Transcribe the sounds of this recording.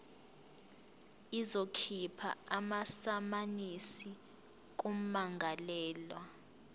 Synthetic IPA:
izokʰipʰa̰amasamanisi | k̬um̩maŋɡʱalɛːlwa

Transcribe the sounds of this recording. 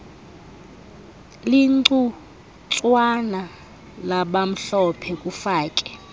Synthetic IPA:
liǀu | t͡sʼwana | laɓam̩ɬɔpʰɛkʼufaːkʼɛ̥

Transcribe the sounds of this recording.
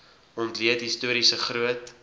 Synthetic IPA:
ɔntliətɦistuəɾisəχruət

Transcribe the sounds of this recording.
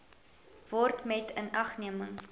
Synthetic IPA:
vɔrtmɛtənɐχniəməŋ

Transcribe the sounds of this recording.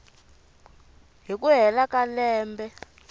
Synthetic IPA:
ɦikuɦɛlakalɛːmbɛ

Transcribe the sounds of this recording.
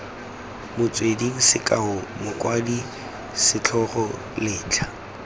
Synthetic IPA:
mʊt͡sʼwediŋ̩sɪkʼaɦʊmʊkʼwadi | sɪt͡ɬʰɔχɔ | lɪːt͡ɬʰḁ

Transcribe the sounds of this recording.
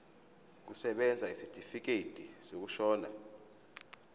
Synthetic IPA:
k̬usɛɓɛnd͡zʱaisitʰʼifik̬ed̥ʼʱisok̬uʃɔːna

